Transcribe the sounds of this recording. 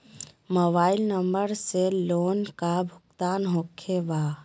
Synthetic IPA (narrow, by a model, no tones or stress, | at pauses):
mobailnəmbəɾselonkabʱʊk̚t̪anɦokʰeba